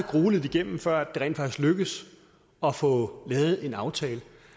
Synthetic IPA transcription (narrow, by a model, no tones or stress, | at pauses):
ɡ̥ʁuːləð̩ˠiɡ̥em̰m̩fɶɐ̰æd̥e̝ʁɛ̰ːn̥fɑ̈ɡ̥isɡ̥løɡ̥ð̩ˠs | ɒ̽fɔ̽lɛːð̞̩ˠe̝nɑ̈ʊt͡sʰɛːlə